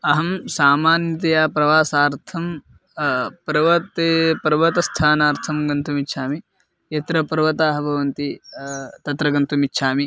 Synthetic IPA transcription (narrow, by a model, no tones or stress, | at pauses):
ɐɦɐmsaːmaːnjɐt̪ɐjaːpɾɐʋaːsaːɾt̪ʰɐm | pɾɐʋɐt̪eːpɐɾʋɐt̪ɐst̪ʰaːnaːɾt̪ʰɐmɡɐnt̪umitːʃʰaːmi | et̪ɾɐpɐɾʋɐt̪aːɦɐbʱɐʋɐnt̪i | t̪ɐt̪ɾɐɡɐnt̪umitːʃʰaːmi